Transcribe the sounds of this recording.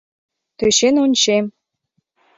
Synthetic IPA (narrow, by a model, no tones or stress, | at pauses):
t̪øɕenonʲt͡ɕem